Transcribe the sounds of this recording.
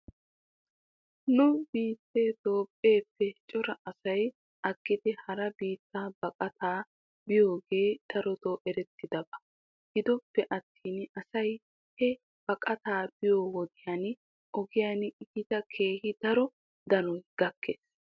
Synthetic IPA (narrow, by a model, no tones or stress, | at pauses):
nʊbiːt̪ːeːt̪o̞ːpʼːe̞ːpːɛt͡ʃʼɔɾɐʔɐsɐj | ʔɐɡːɪd̪ɪhɐɾɐbiːt̪ːaːbɐkʼɐt̪aː | bɪjo̞ːɡe̞ːd̪̥ɐɾɔt̪oːʔɛɾɛt̪ːɪd̪ɐbɐ | ɡ̥ɪd̪ɔpːɛʔɐt̪ːiːnɐsɐj | hɛ | b̥ɐkʼɐt̪aːb̥ɪjoːwɔd̪ɪjan | ɔɡɪjanɪɡɪt̪ɐkʰe̞ːhɪd̪ɐɾɔ | d̪ɐnɔjɡ̥ɐkʰːeːs